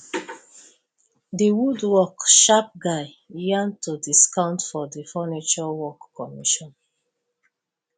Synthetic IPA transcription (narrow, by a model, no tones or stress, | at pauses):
diwudwɔkʃap̚ɡaɪ | jãntodiskãʊ̃ntfɔdifɔnit͡ʃɔwɔkːɔmiʃɔ̃n